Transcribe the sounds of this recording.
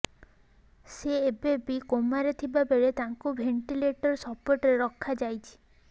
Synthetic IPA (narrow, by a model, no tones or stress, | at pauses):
seːbebikomaɾet̪ʰibabeɭet̪aŋkubʱeɳʈileʈɔɾsɔpoɾʈɔɾeɾɔkʰːad͡ʒajt͡ʃʰi̥